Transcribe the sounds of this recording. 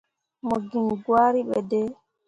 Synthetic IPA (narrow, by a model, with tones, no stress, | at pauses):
mo˨ɡi˨nɡwaː˦ɾiɓɛdɛ˦